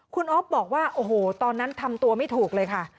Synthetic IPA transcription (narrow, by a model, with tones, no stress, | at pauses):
kʰu˧nʔo˦˥p̚bɔː˨˩k̚waː˥˩ʔoː˨˩hoː˨˩t̪ɔː˧nːa˦˥nt̪ʰa˧mt̪u˧ɐma˥˩jt̪ʰuː˨˩k̚lɤː˧jkʰa˥˩